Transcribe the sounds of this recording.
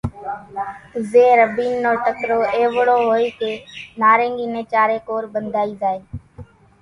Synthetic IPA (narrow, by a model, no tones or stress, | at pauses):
zeːɾəbiːnːoːʈəkɾoːeːʋɽoːɦoːiːkeːnaːɾeːŋɡiːnẽːt͡ʃaːɾeːkoːɾbənd̪ʱaːiːzaːeː